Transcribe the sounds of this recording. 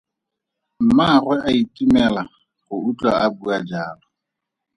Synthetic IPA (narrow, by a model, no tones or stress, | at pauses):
m̩marwɛʔaitʼimɛla | ɣʊut͡ɬʼaʔabuad͡ʒaːlɔ